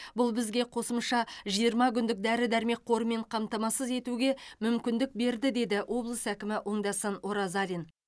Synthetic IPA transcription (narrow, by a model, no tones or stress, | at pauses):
bʊlˠbɪzɡʲe̞qʰo̞səmʃɑʒijəɾmɑk̬ʲʏnd̪ɪk̚d̪æɾɪd̪æɾme̞k̚qʰo̞ɾəme̞ɴqʰɑmt̪ɑmɑsəze̞t̪uɡʲe̞mʏmkʲɪnd̪ɪk̚be̞ɾd̪ɪd̪e̞d̪ɪwʔo̞blˠəsækʲɪmɪʔo̞ɴd̪ɑsənoɾɑzɑlʲin